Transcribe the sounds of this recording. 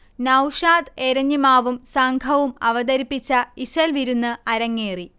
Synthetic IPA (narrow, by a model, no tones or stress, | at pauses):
nɐwʂaːd̪eɾɐɲːimaːʋumsɐŋɡʰʱɐʋumɐʋɐd̪ɐɾipːit͡ɕːɐiɕɐlʋiɾunːɐɐɾɐŋːeːri